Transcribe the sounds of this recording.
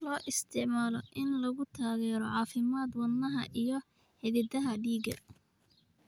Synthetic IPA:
lɔːʔɪst̪ʰɪʕmaːlɔʔɪnlɐɣʊt̪ʰaːɣɛːɾɔʕɑːfɪmaːd̪wɐnːɐɦɐʔijɞ | ħɪðɪd̪ɐɦɐɖiːɡɐ̰

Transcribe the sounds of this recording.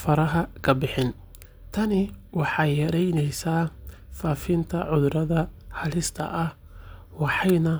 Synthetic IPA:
fɐɾɐɦɐkʰɐbɪħɪn | t̪ʰɐnɪwɑħɑjːɐɾɛjnɛjsaː | faːfɪnt̪ʰɐʕʊðɾɐðɐhɐlɪst̪ʰɐ̰ʔɐh | wɑħɑjnɐ

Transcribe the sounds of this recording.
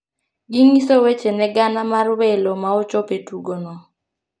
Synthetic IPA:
ɡiŋisowet͡ʃenɛɡanamarwelomaɔt͡ʃɔpetuɡonɔ

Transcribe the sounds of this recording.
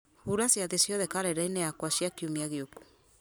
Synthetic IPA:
huɾasjaðesjɔðɛkaɾɛɾainɛakwasjakiumiaɣeoku̥

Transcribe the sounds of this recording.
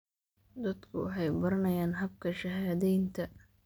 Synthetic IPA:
d̪ɐd̪kʰʊ̰wɑħɑjbɐɾɐnɐjaːnɦɐb̚kʰɐʃɐɦaːðɛjnt̪ʰɐ

